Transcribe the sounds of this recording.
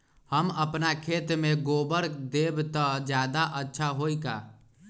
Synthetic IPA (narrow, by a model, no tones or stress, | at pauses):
həməpnakʰeːt̪mẽɡoːbəɾd̪eːbt̪əd͡ʒjaːd̪aʔətːʃʰaɦoːikaː